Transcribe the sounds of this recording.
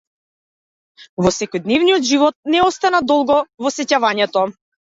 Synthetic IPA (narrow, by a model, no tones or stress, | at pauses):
vɔsɛkɔjd̪nɛvnijɔd̪ʒivɔt̪̚nɛɔst̪anad̪ɔlˠɡɔvɔsɛcavaɲɛt̪ɔ